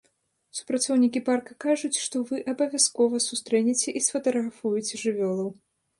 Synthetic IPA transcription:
su̥pɾat̪sɔwnʲikʲiparkɐkaʐut͡sʲʂt̪ɔvɨʔɐbɐvʲjaskɔvɐsust̪ɾɛnʲɛt͡sʲɛʔisfɐt̪ɐɣɾafujɛt͡sʲɛʐɨvʲɔlˠɐw

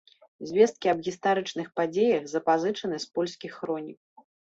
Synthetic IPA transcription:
zʲvʲɛst̪̚kʲiɐbɣʲist̪aɾɨt͡ʂnɨxpad͡zʲejɐɣzɐpazɨt͡ʂɐn̪ɨspɔlʲsʲkʲixːɾɔnʲik

